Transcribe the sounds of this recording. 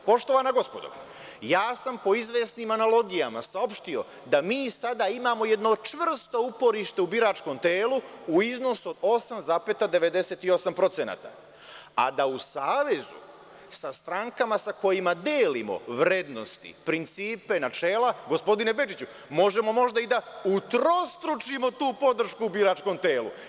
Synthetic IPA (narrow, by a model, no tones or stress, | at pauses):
po̞ʃt̪o̞ʋanaɡo̞spo̞d̪o̰ | jaːsampo̞izʋeːsnimanalˠo̞ɡijama̰sao̞pʃt̪io̞ | d̪amiːsad̪aimamo̞je̞d̪no̞t͡ʃʋr̩st̪o̞upo̞ɾiʃt̪e̞ubiɾat͡ʃko̞mt̪eːluːizno̞suo̞d̪o̞samzaːpet̪ad̪e̞ʋe̞d̪e̞set̪io̞sampɾo̞t̪sena̰ːt̪a̰ | a̰d̪ausaːʋe̞zṵ | sast̪ɾaŋkamasako̞jimad̪eːlimo̰ʋɾe̞d̪no̞̰st̪ḭpɾint̪siːpe̞nat͡ʃe̞ːlaɡo̞spo̞d̪inebe̞d͡ʒit͡ɕu | mo̞ʒe̞mo̞mo̞ʒd̪aid̪aut̪ɾo̞st̪ɾut͡ʃimo̞t̪uːpo̞d̪r̩ʃkuːbiɾat͡ʃko̞mt̪e̞ːlṵ